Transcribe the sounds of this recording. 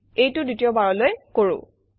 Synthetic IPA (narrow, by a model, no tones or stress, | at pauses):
ejtʊdutijɔbaɹɔlojkoɹʊ̰̃